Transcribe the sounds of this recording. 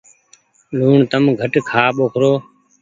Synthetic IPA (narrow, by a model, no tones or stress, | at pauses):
luːɳt̪əmɡʱəʈkʰaːɓoːkʰɾoː